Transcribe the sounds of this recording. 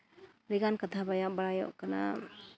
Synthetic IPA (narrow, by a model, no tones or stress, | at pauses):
ɾiɡankat̪ʰabajabaɾajɔ̰ʔkana̰